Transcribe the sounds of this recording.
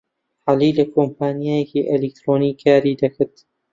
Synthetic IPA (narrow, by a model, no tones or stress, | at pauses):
ħaːliːlɐkʰompaːnijaːjɛkiʔelek̚t̪ɾoːniːkʰaːɾid̪ɐkɪɾt̪